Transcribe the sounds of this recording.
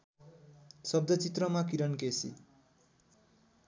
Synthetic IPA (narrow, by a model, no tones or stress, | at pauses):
sʌb̚d̪ʌt͡sit̪rʌmak̬iɾʌnkesḭ